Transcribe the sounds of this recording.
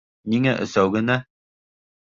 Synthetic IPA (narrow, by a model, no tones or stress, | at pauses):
niŋæʔɵ̰̆sæwɡɘ̆næ